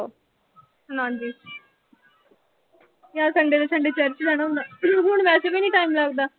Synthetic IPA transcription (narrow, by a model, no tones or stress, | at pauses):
oː | nãːnd͡ʒiːs | jaːsəɳɖed̪esəɳɖet͡ʃəɾt͡ʃdɛnanːɦʊɳʋɛːsebiːnĩːʈaːimlaːɡd̪aː